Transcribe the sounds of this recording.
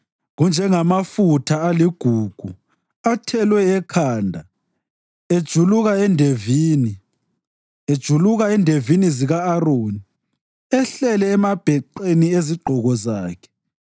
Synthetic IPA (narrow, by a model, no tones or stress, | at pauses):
ɣund͡ʒʱɛŋamafutʰaaliɡ̥ʱuːɡ̥ʱu | atʰɛlwɛːkʰaːndʱa | ed̥ʒ̥ʱuluɣaɛndʱeviːni | ed̥ʒ̥ʱuluɣaɛndʱeviniziɣaːroːni | ɛɬɛlɛːmab̥ʱɛǃenieziɡ͡ǃʱɔɣɔzaːkʰɛ̥